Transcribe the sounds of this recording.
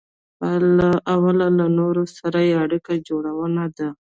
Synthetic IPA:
alaʔawalalanoɾosaɾajeaɽikad͡ʒoɽawənad̪a

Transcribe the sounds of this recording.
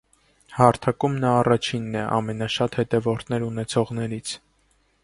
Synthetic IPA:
hɑɾt̪ʰɑkumnɑːrɑt͡ʃʰinːɛʔɑ̰mɛnɑʃɑt̪hɛt̪ɛvɔɾt̪ʰnɛɾunɛt͡sʰɔʁnɛɾit͡sʰ

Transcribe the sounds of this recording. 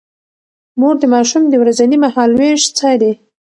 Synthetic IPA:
moɾd̪əmɑʃumd̪əwɾazanimahɑlweʃt͡sad̪e

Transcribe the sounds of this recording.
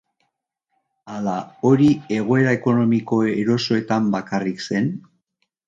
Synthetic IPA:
alao̞ɾie̞ɣo̞e̞ɾae̞ko̞no̞miko̞eɾo̞so̞e̞t̪ambakarikse̞n

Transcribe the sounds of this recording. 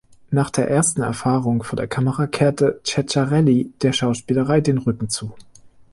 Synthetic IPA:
naːχd̥eːɐʔeːɐstn̩ɛ̰ɐfaːʁʊŋfoːɐdeːɐkʰaməʁakʰeːɐtət͡ʃɛt͡ʃaʁɛlid̥eːɐʃaʊʃpiːləʁaɪdeːnʁʏkŋ̩t͡suː

